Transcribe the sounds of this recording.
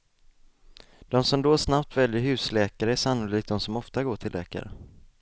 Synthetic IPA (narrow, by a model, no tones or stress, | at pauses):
d̪̥ɔmsɔmd̪oːsnapt̪vɛljəɾɦʉ̟ːslɛːkaɾəæʂanːʊliːk̚d̪ɔmsɔmɔft̪aɡoːʈʰɪlʔɛ̰ːka̰ɾə̰